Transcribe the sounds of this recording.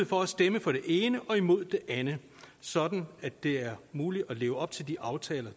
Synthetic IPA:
ð̩ˠfɒ̽æsd̥eməfɒ̽ɾ̥e̝ʔe̝ːnəʔɒ̽imo̝ð̞̰ˠd̥e̝ʔænə | sɒ̽d̥n̩æ̥e̝æɐmuːli̥ɒleːʊəɒ̽b̥̚t͡sʰe̝ld̥iʔɑ̈ʊt͡sʰɛːlɐ

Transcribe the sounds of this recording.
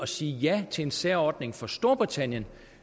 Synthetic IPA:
ɒ̽siːjæt͡sʰe̝ensæɐɒːd̥ne̝ŋfɒ̽sd̥o̝ɐb̥ʁit͡sʰæn̰jən

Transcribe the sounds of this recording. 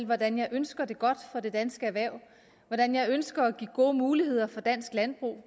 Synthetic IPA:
lʋɒd̥ænjɑ̈ɪʔønsɡ̥ɐd̥e̝ɡ̥ɒ̽d̥fɒ̽de̝d̥ænsɡ̥əæʋæɐʊ̰ | ʋɒd̥ænjɑ̈ɪønsɡ̥ɐæɡ̥iɡ̥o̝ːəmuːlihe̝ð̞̰ˠɐfɒ̽d̥æn̰sɡ̥læn̚b̥ʁṵː

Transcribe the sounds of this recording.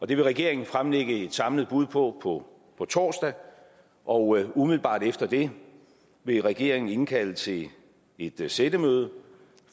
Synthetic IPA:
ɒ̽d̥e̝ʋe̝ʁɛɡ̥e̝ɐe̝ŋn̩fʁamleɡ̥əe̝d̥sɑ̈mləð̞̩ˠb̥uð̞̰ˠpʰɒ̽pʰɒ | pʰɒ̽t͡sʰɒ̰ːsd̥æ | ʔɒ̽ʊumiðˠl̩b̥ɑ̰̈ːd̥efd̥ɐd̥e̝ | ʋe̝ʁɛɡ̥e̝ɐ̰e̝ŋn̩e̝nkʰælət͡sʰe̝ | e̝d̥sed̥əmøːð̞̩ˠə

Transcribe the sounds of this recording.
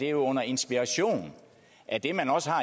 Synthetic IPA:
d̥e̝jo̝ɔ̽n̰ɐe̝nsb̥iʁɑɕo̝̰ːn | ʔæd̥e̝mænɒ̽səhɑ̈

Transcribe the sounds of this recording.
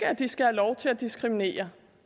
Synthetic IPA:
əæd̥isɡ̥æhælɒʊt͡sʰe̝læd̥isɡ̥ʁimine̝̰ːɐ

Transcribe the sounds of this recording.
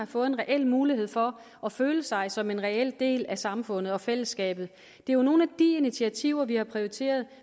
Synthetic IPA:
ɑ̈fɔ̽ːð̩ˠenʁɛʔel̰muːlihe̝ð̞̰ˠfɒ̽ | ɒføːləsɑ̈ɪsɒ̽me̝nʁɛel̰d̥e̝̰ːlæsɑ̈mfɔ̽n̰ð̩ˠɒ̽fel̰əsːɡ̥ɛ̰ːb̥ð̞̩ˠ | d̥e̝æjono̝ːn̩æd̥iinit͡sʰiæt͡sʰiʊɐʋihɑ̈pʰʁioit͡sʰe̝̰ːɐðˠ

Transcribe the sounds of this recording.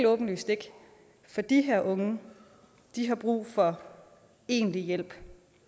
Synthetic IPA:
lɔ̽ːb̥n̩ly̰sd̥e̝ɡ̥ | fɒ̽d̥iɦæɐ̰ʔɔ̽ŋə | d̥iɦɑ̈b̥ʁṵːfɒ̽ | e̝̰ːnlijel̰b̥

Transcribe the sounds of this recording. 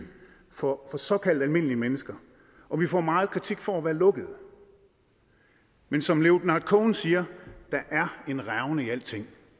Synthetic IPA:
fɒfɒ̽sɒ̽kʰæl̰d̥ælme̝n̰liəmenəsɡ̥ɐ | ʔɒ̽ʋifɒ̰ːmɑ̈ːð̞̩ˠkʰʁit͡sʰiɡ̥fɒ̽æʋæːɐlɔ̽ɡ̥əð̞̩ˠ | mensɒ̽mleʊd̥nɑ̈d̥̚kʰɔːnsiːɐd̥ɑ̈ʔæɐe̝nʁaʊnəiæl̰d̥t͡sʰe̝ŋ̰

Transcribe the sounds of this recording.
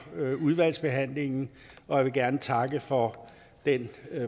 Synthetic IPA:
uð̞ˠʋæl̰sb̥e̝ɦæn̰le̝ŋn̩ | ɒ̽jäʋe̝ɡ̥æɐnət͡sʰɑ̈ɡ̥əfɒ̽ | d̥en

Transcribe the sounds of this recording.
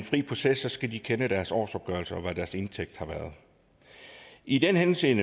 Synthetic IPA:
nfʁḭːpʰo̝sesɒ̽sɡ̥æd̥ikʰenəd̥æɐsɒ̰ːsɒ̽b̥ɡ̥œɐlsəɒ̽ʋæd̥æɐse̝nt͡sʰeɡ̥̚d̥hɑ̈ʋæːɐðˠ | id̥enhense̝̰ːnə

